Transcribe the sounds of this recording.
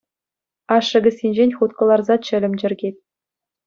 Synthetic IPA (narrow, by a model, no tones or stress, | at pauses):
ɑʂːɤ̆ɡʲɘ̆sʲinʲd͡ʑenʲχut̪kɤ̆lˠɑrzɑt͡ɕɘ̆lʲɘ̆mʲd͡ʑɘ̆rʲɡʲetʲ